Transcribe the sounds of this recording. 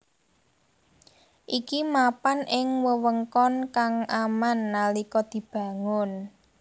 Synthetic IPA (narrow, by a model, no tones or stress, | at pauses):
ʔikimapanɪŋwəwəŋkɔnkaŋamanːalikɔd̪̥i̤b̥ä̤ŋʊn